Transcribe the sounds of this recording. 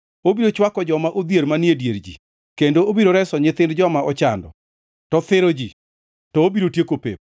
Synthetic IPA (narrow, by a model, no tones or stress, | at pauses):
obiɾot͡ʃwakɔd͡ʒɔmaʔod̪jeɾmanjedjeɾd͡ʒḭ | kendoobiɾoɾɛsɔɲɪt̪ɪndd͡ʒɔmaɔt͡ʃandɔ̰ | tɔt̪ɪɾod͡ʒi | tɔobiɾotjekopḛp̚